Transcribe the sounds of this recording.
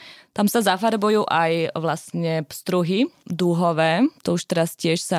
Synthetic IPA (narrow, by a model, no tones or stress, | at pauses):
t̪amsazafaɾbujuːʔajʋlastɲɛpst̪ɾuɦid̪uɦɔʋɛːt̪ɔuʃt̪ɛɾascɪɛʃsa